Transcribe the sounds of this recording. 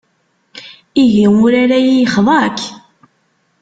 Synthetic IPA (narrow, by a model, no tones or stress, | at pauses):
iʝiʊɾaɾajijəχðˤɑk